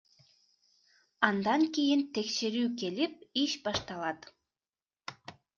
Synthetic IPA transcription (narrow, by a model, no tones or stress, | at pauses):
ɑnd̪ɑŋkʲejɪnt̪ekʃeɾyːk̬ʲelip̚iʃbɑʃt̪ɑlˠɑt̪